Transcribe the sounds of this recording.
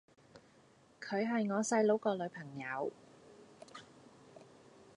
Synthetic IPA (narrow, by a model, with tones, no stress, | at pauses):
kʰɵ˨˧ɥɦɐ˨jŋɔː˨˧sɐ˧jlo˨˥wkɔː˧lɵ˨˧ɥpʰɐ˨˩ŋjɐ˨˧w